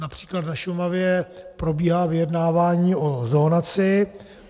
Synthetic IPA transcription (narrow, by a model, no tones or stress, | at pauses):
napr̝̥i̥ːklat̪naʃumavjɛpɾobiːɦaːvɪjɛdnaːvaːɲiːʔozoːnat͡sɪ